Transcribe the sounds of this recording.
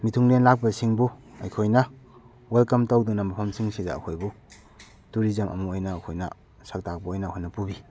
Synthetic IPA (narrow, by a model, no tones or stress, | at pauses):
mitʰuŋlenlak̚pɐsiŋbuɐ̰jkʰojnɐ | welkɐmtowdunɐmɐpʰɐmsiŋsida̰ːkʰojbu | tuɾizɐmʔɐ̰muojnɐːkʰojnɐ̰ | sɐk̚tak̚pɐojnɐkʰojnɐpubi